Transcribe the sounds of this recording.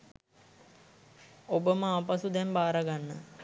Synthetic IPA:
obəməapasud̪ɛmbaːɾaɡanːə̰

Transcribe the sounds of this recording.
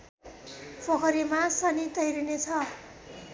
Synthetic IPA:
pʰʌkʰʌɾimasʌnit̪ʌjɾinet͡sʰʌ

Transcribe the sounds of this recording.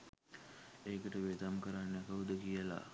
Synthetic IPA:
eːkəʈəʋed̪amkəɾanːakəɦud̪əkijəla̰

